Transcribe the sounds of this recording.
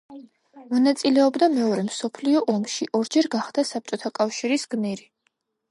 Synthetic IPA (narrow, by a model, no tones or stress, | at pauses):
mɔnat̪sʼilɛɔbd̪amɛɔɾɛmsɔpʰliɔʔɔmʃiʔɔɾd͡ʒɛɾɡaχd̪asap̚t͡ʃʼɔt̪ʰakʼafʃiɾisɡ̥niɾi